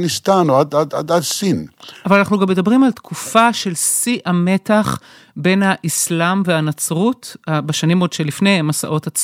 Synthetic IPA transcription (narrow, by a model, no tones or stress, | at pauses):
nist̪anoad̪adadadsinavalanaχnuɡamedabʁimalt̪kʰufaʃe̞lsiʔame̞taχ | be̞nhaʔislamveanat͡sʁutabeʃanimo̞dʃelifne̞jmasa̰ʔo̞tat͡s